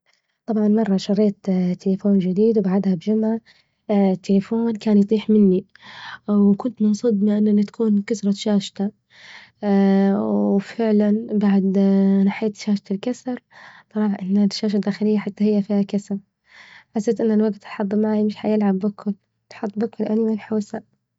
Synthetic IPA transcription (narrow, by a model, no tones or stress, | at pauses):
t̪ˤɑbʕɑnmɑrˤːɑʃɑɾˤeːt̪t̪ʰːɪlɪfoːnd͡ʒɪd̪iːd̪wbaʕad̪habd͡ʒʊmʕa | t̪ʰːelɪfoːnkaːnjt̪ˤiːħmɪnːi | wkʊnt̪mʊnsˤɨd̪mɪʔɪnːɪnːat̪ḁkʰuːnkasɾˤɑʃaːʃt̪a | wfɪʕlanbaʕd̪naħeːt̪ʃaːʃt̪alkasɾˤsˤɑɾˤɑːħʔɪnːaʃːaːʃ̬ad̪ːaːxɪlɪjːaħat̪ːahɪjːafiːhakasɾˤ | ħasːeːt̪ʔɪnːalwaɡt̪ħɑd̪ˤːmaʕaːjimɪʃħajɪlʕabːɪkʰʊl | t̪ħɑd̪ˤːbɪkʊlʔanimɪnħoːsa